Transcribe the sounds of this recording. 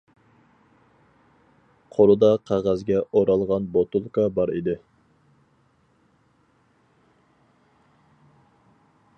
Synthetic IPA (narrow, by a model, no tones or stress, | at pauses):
qʰoɾʊd̪ɑqʰɑʁɑzɡʲɛʔoɾɑlˠʁɑnbot̪ulˠkɑbɑɾḭd̪ɪ